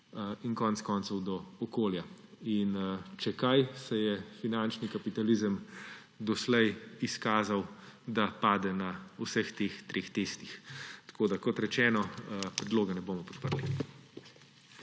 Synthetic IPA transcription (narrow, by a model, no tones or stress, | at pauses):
inkɔːnɛt̪skɔnt̪sɔwd̪ɔɔkoːljaint͡ʃɛkajsɛjɛfinant͡ʃnikapit̪alizəm | d̪ɔslɛjiskaːzawd̪apaːd̪ɛnausəxt̪eːxt̪ɾʔeːxt̪eːst̪ixt̪ɐ̥koːd̪akɔt̪ɾɛt͡ʃɛːnɔpɾɛd̪loːɡɛnɛboːmɔpɔ̥t̪̚pəɾli